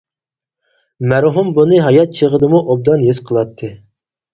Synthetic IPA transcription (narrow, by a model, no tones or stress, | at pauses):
mæɾɦumbunɨɦɑjɑt̪̚t͡ʃʰəʁəd̪ɨmuʔob̚d̪ɑnjesqʰəlˠɑt̪ʰːɨ